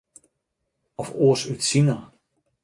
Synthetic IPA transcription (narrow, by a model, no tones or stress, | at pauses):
ɔfoəsytsinə